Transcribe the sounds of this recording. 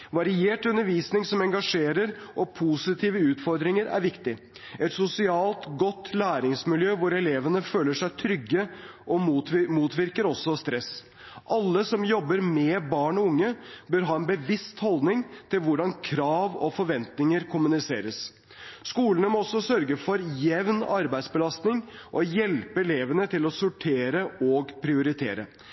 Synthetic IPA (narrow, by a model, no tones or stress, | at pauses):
ʋɑɾɪeːʈʉnːəɾʋiːsnɪŋsɔmɛŋɡɑʂeːɾəɾʔɔpʰusɪt̪ʰiːʋəʉːt̪fɔɾd̪ɾɪŋəɾæ̰ɾʋɪkt̪ɪ | ɛt̪sʊsɪɑːlt̪ɡɔt̪ːlæːɾɪŋsmɪljøːʋʊɾɛleːʋənəføːləʂæɪt̪ʰɾʏɡːə | ʔɔmuːt̪ʰʋɪɾkəɾɔsːɔst̪ɾɛs | ʔɑlːəsɔmjɔbːəɾmɛbɑːɳɔʊŋːəbøːɾɦɑːɛnbəʋɪst̪hɔld̪nɪŋt̪ʰɪlʋʊɖɑnkʰɾɑːʋɔ̰fɔɾʋɛnt̪nɪŋəɾkʰʊmʉnɪseːɾəs | skuːlənəmɔɔsːɔsœɾɡəfɔɾjɛʋnɑɾbæɪd̪sbəlɑst̪nɪŋʔɔjɛlpəɛleːʋənət̪ʰɪlɔsʊʈʰeːɾəɔɡpʰɾɪʊɾɪt̪ʰḛːɾə̰